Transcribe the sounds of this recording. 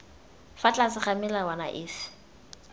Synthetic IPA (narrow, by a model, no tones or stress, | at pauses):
fat͡ɬʼasɪχamɪlawana̰ʔɪːsɪ̥